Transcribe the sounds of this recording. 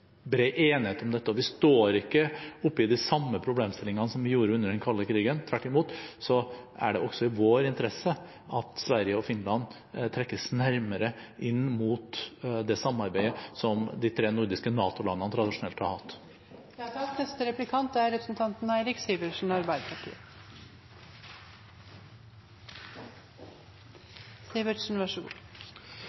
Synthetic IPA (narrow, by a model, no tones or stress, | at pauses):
bɾeɪʔeːnɪheːt̪ɔmd̪ɛt̪ːəɔʋɪst̪oːɾɪkːəʊpːəɪd̪ɪsɑmːəpʰɾʊbleːmst̪ɪlɪŋɑnsɔmʋɪjuːɾəʉnːəɖɛnkʰɑlːəkʰɾiːɡənt̪ʰʋæʈːɪmuːt̪sɔæ̰ɖɛʔɔɡ̥sɔɪʋoːɾɪnt̪əɾɛsːə | ʔɑt̪sʋæɾɪjəɔfɪnlɑn | t̪ʰɾɛkːəsnæɾməɾəʔɪnːmuːt̪d̪ɛsɑmːɑɾbæɪəsɔmd̪it̪ʰɾeːnʊɾd̪ɪskənɑːt̪ʊlɑnːənət̪ʰɾɑd̪ɪʂʊnɛlt̪hɑ̰ɾhɑt̪ː | nɛst̪əɾɛplɪkʰɑnt̪æɾɾɛpɾə̥sn̩t̪ʰɑnt̪n̩æɪɾɪksiʋəʂɳ̩ɑɾbæɪd̪əpʰɑʈʰḭːə | siʋəʂn̩ʋɑʂɡṵː